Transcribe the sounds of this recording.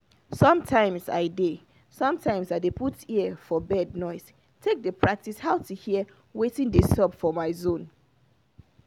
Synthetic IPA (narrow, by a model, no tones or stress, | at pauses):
sɔ̃mtʰãɪ̃msa̰ɪde | sɔ̃mtʰãɪ̃msadepʰutiəfɔbɛdnɔɪs | tʰek̚dəpʰɹ̥ak̚tishaʊtʰuhiə | wetĩndesɔpfɔmaɪzõn